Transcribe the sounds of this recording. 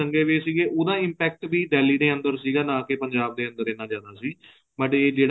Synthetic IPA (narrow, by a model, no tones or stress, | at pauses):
əŋɡeːʋeːsiːɡeːʔoːd̪ãːɪ̃mpɛːk̚ʈʋiːɖɛːliːd̪eːə̃nd̪əɾsiːɡaːnãːkepəɲd͡ʒaːb̚d̪eːə̃nd̪əɾeːnaːd͡ʒãːd̪aːsiː | məʈeːd͡ʒeːɽ